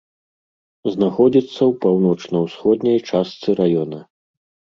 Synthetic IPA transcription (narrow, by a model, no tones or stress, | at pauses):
znaxɔd͡zʲit̪sːɐwpawnɔt͡ʂnɐwsxɔd̪nʲɐjt͡ʂast̪sɨɾajɔnɐ